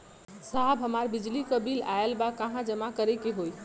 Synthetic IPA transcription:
saɦbʱɦəmaɾbid͡ʒlikəbilaelbakaɦãd͡ʒəmakəɾekeɦoj

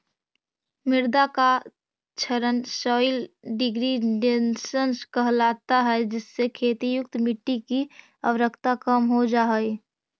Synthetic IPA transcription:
mɪɾd̪aka | t͡ʃʰəɾənsɔːɪlɖɪɡɾiɖensənskəɦlaːt̪aɦɛd͡ʒɪsːekʰeːt̪ijʊk̚t̪mɪʈːiki | əʋɾəkʰt̪akəmɦod͡ʒaːɦi

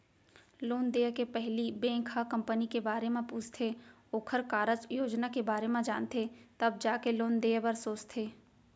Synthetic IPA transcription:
loːnd̪eːəkepɛɦlibẽkʰakɐ̃mpənikebaːɾemẽpuːd͡ʒt̪ʰe | oːkʰəɾkaːɾət͡ʃjoːd͡ʒnakebaːɾemẽd͡ʒaːnt̪ʰet̪ɐb̚d͡ʒaːkeloːnd̪eːabəɾsoːt͡ʃt̪ʰeː

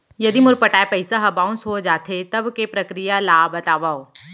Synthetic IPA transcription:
jɐd̪imʊɾpɐʈaːepɐɪsaɦɐbãʊ̃nsɦod͡ʒaːt̪ʰet̪ɐbkepɾɐkɾijalabɐt̪aːʋaːo

